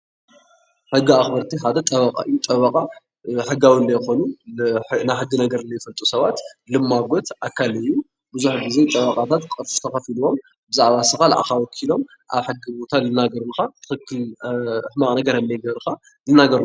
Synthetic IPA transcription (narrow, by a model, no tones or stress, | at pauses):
ħɨɡːiaxbɐɾt̪ʰiħad̪ɐt̪ʼɐβɐkʼa̰ɨjːut̪ʼɐβɐkʼa | ħɨɡːawilːɐjxo̞nu | najħɨɡːɨnɐɡɐɾɨnːɐjɪfɐlt̪ʼusɐβat̪lɨmːaɡot̪ʔakʰːalɨjːu | bɨzuħɡize̞jt̪ʼɐβɐqʼat̪ʰat̪kʼɨɾut̪ʰɐxɐfiluwo̞m | bɨzaʕβasɨxalʔa̰xawɔkʰːilo̞m | ʔa̰βħɨɡːibo̞t̪ʰalɨnaɡɐɾuxat̪ʰɨ̥xɨkʰːɨlħmakʼnɐɡɐɾhɐndɐjɡɐβɾxa | lɨnaɡɐɾ